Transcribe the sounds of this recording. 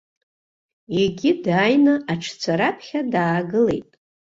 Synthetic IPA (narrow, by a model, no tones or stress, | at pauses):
eɡʲidaːjnɨʔaʈ͡ʂʰt͡sʰaɾapʰχʲadaːɡɨle̞̰jtʼ